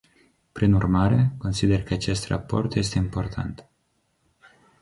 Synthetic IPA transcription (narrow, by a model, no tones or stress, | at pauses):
pɾinurmaɾe̞ko̞nsid̪e̞rkəat͡ʃe̞st̪ra̰po̞rt̪je̞s̬t̪e̞impo̞rt̪ʰa̰nt̪